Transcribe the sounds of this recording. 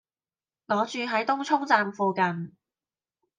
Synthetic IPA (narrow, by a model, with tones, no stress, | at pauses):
lɔː˨˥t͡ʃyː˧ɦɐ˨˥jt̪ʊ˥ŋt͡ʃʰʊ˥ŋt͡saː˧mfuː˧kɐ˨˩n